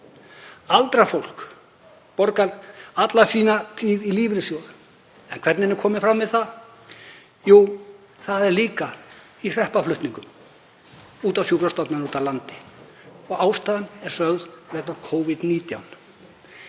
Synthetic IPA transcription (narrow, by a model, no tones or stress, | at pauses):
alt̪ɾafowl̥k | pɔɾkalat̪lasiːnat̪ʰiːðiliːvɾɪsjoːwɾʏ | ɛnkʰvɛɾt̪nɪnɪɾkʰɔːmɪnfɾamvɪðθa | ju | θaðɛɾliːka | ir̥ɛhpaflʏht̪niŋkʏm | uːt̪awsjukɾast̪ɔp̪nanuːt̪alant̪ɪ̥ | ɔɣaːwst̪aːðanɛɾ̥sœɣðvɛkt̪nakʰoːwvɪd̪niːt̪ja̰wn